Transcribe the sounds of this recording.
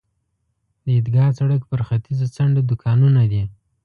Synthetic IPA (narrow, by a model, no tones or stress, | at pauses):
d̪əɪd̪ɡɑt͡saɽəkpəɾxat̪izat͡saɳɖad̪ʊkʰɑnunad̪i